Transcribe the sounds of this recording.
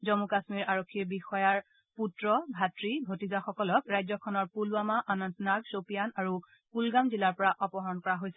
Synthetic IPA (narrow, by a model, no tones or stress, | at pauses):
zɔmukasmiɹaɹokʰːiɹbixɔjaɹ | putɹɔbʱatɹibʱotizaxɔkɔlɔkɹajzɔkʰɔnɔɹpuluamaʔanɔntnaɡsopijanaɹu | pulɡamzilaɹpɔɹaʔɔpɔɦɔɹɔnkɔɹaɦojsɛ